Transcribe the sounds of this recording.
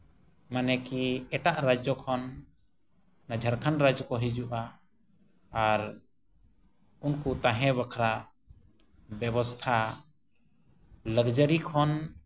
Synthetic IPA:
manɛkiɛʈaʔɾad͡ʒɔkʰɔn | ad͡ʒʱaɾkʰanɾad͡ʒkɔɦid͡ʒuʔa | ɾ | unkut̪ãɦɛ̃bakʰɾaʔ | bɛbɔst̪ʰa | ləɡd͡ʒəɾikʰɔn

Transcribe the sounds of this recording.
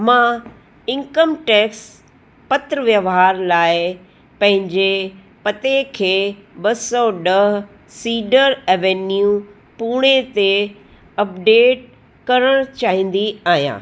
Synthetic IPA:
mã | ɪ̃ŋkəmʈeːks | pɐt̪ɾəʋjəʋɦaːɾlaːɪ | pɐ̃ɦɪ̃ɲd͡ʑe | pɐt̪ekʰeːɓɐsɔɗɐɦ | siːɖəɾeːʋeːnju | puːɽ̃et̪e | ɐp̚ɖeːʈ̚ | kɐɾəɽ̃t͡ɕaːɦĩːn̆d̪iaːɦijã̰ː

